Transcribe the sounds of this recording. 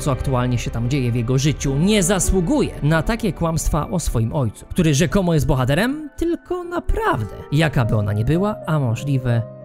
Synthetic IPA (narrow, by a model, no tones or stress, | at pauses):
sɔakt̪ualɲɛɕɛt̪amd͡ʑejɛvjɛɡɔʐɘt͡ɕuɲɛzaswuɡujɛ̰nat̪akʲɛkwamst̪fa̰ʔɔsfɔjimʔɔjt̪su̥kt̪uɾɘʐɛkɔmɔjɛst̪bɔxat̪ɛɾɛmt̪ɘlkɔnapɾavd̪ɛ̰jakabɘɔna̰ɲɛbɘwaamɔʐlʲivɛ